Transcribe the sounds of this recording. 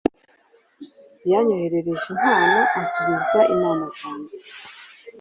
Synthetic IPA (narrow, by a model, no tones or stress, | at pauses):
jaɲo̞he̞ɾe̞ɾe̞ʒen̥haːnaʔasuβizaʔimaːnazaːnɡe